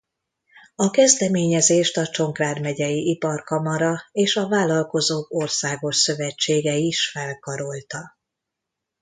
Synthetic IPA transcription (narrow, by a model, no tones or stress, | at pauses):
ɒkɛzd̪ɛmeːɲɛzeːʃt̪ɒt͡ʃo̞ŋkraːd̪mɛɟɛjiʔipɒrkɒmɒɾɒeːʃɒvaːlɒlko̞zoːko̞rsaːɡo̞ʃsø̞vɛt͡ʃːeːɡɛiʃfɛlkɒɾo̞lt̪ɒ